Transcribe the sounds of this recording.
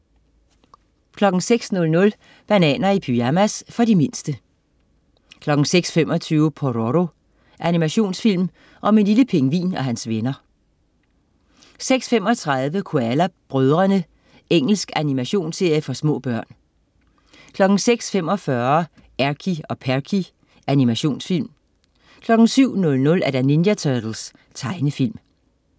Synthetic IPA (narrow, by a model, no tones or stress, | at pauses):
kʰlɒ̽ɡ̥ŋ̩seɡ̥snɔ̽lnɔ̽l | b̥ænɛ̰ːnɐipʰyæmæsfɒ̽dime̝nsd̥ə | kʰlɒ̽ɡ̥ŋ̩seɡ̥sfemɒ̽t͡sʰyːʊpʰoʁoʁo̝ | ʔænimæɕo̝̰ːnsfil̰m | ʔɒ̽me̝nliləpʰe̝ŋəʋḭːnɒ̽ɦænsʋenɐ | seɡ̥sfem̰ɒ̽t͡sʰʁɑð̞ˠʋəkʰoælæb̥ʁœð̞ˠʁɐnə | eŋ̰l̩sɡ̥ænimæɕo̝̰ːnse̝ɐjəfɒ̽smɔ̰̽ːb̥ɶɐ̰n | kʰlɒ̽ɡ̥n̩seɡ̥sfemɒ̽fɶɐ | æɐkʰiɒ̽pʰækʰi | ʔænimæɕo̝̰ːnsfil̰m | kʰlɒ̽ɡ̥ŋ̩syʊ̰nɔ̽lnɔ̽læɐɾ̥ænenjæt͡sʰœd̥l̩s | t͡sʰɑ̈ɪnəfil̰m